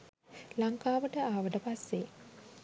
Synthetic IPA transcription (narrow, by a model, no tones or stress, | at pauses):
laŋkaːʋəʈəaːʋəʈəpasːe